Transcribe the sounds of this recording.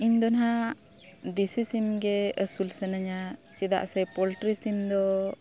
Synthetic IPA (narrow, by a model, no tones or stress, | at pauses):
iɲd̪ɔnɦa | d̪isisimɡɛəsulsənəɲat͡ʃɛd̪a̰ʔsɛpɔlʈɾisimd̪ɔ